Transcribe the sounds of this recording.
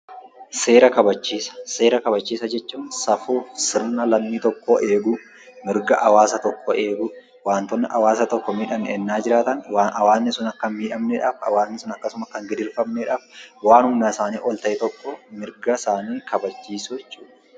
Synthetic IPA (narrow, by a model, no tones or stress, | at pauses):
seːɾɐkɐbɐt͡ʃːiːsɐ̥se̞ːɾɐkɐbɐt͡ʃːiːsɐd͡ʒɛt͡ʃːuːnsɐfuːfsɪɾnɐlɐmːiːt̪ɔkːoʔeːɡʊ | mɪɾɡɐʔɐwaːsɐt̪ɔkʰːɔe̞ːɡʊ | waːnt̪ɔnːɐʔɐ̰waːsɐt̪ɔkːɔmiːᶑɐmnɛːnːaːd͡ʒɪɾaːt̪ɐnwaːnɐwaːznɪsʊnɐkːɐnmiːᶑɐmnɛᶑaːfɐ̰waːznɪsʊnɐkːɐsʊmɐkːɐŋɡɪd̪ɪɾfɐmnɛᶑaːfwaːnhʊmnaːsaːniːʔɔlt̪ɐʔɛt̪ɔkːɔmɪɾɡɐsaːniːkɐbɐt͡ʃːiːsʊɛt͡ʃʼːuːᶑɐ̥